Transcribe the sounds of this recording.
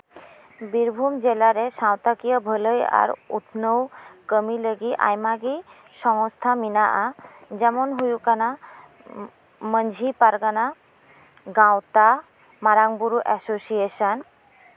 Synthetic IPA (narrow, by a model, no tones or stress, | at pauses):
biɾbʱumd͡ʑelaɾeʃawt̪akijəbʱələja̰ɾut̪ʰnowkəmiləɡiʔa̰jmaɡi | ʃɔŋost̪ʰaminaʔad͡ʑɛmonɦujukana | mənd͡ʑʱipaɾɡana | ɡawt̪a | maɾaŋbuɾuʔɛsosieʃan